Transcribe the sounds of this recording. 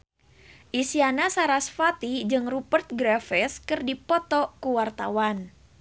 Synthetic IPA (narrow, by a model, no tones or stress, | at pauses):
ʔisianasaɾasfat̪id͡ʒɨŋrupərt̪̚ɡɾafɛskɨrdipɔt̪ɔkuwart̪awan